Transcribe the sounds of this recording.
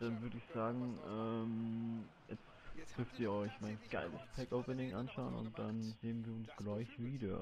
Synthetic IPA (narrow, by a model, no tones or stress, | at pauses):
d̥anvʏɐɾəɪçz̥aːɡŋ̩ʔɛm | jɛt͡std̥ʏɐftiːɐɔʏçmaɪnɡ̥aɪləspʰɛkoʊpənɪŋʔanʃaʊənʊ̰nt̚d̥anzeːənviːɐʊnsɡ̥laɪçv̥iːdɐ